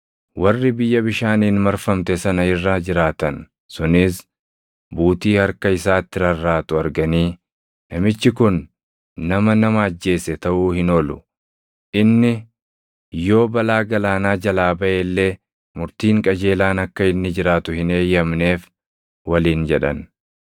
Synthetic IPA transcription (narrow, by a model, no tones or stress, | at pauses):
wɐrːɪbɪjːɐbɪʃaːniːnmɐɾfɐmt̪ɛsɐnɐɪrːaːd͡ʒɪɾaːt̪ɐn | sʊnɪs | buːt̪iːhɐɾkɐɪsaːt̪ːɪɾɐrːaːt̪ʊɐɾɡɐniː | nɐmɪt͡ʃːɪkʊnː | ɐmɐnɐmɐːd͡ʒːe̞ːsɛt̪ɐʔuːhɪnɔlʊ | ʔɪnːɪ | jo̞ːbɐlaːɡɐlaːnaːd͡ʒɐlaːbɐʔeːlːe̞ː | mʊɾt̪iːŋkʼɐd͡ʒe̞ːlaːnɐkːɐɪnːɪd͡ʒɪɾaːt̪ʊhɪneːjɐmne̞ːf | wɐliːnd͡ʒɛᶑɐ̰n